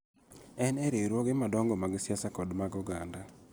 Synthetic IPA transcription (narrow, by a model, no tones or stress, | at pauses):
ɛnɛɾeɾwɔɡɪmadɔŋɡɔmaɡsjasakɔdmaɡɔɡanda